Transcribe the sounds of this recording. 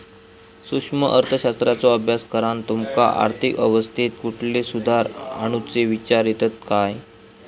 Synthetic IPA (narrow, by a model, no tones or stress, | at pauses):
sukʂməʔəɾt̪ʰəɕast̪ɾat͡sɔəbʱjaskəɾant̪umka̰ʔa̰ɾt̪ʰikəʋəst̪ʰit̪̚kuʈʰlesud̪ʱaɾa̰ɽ̃ut͡seʋit͡ɕaɾjet̪ət̪̚kaj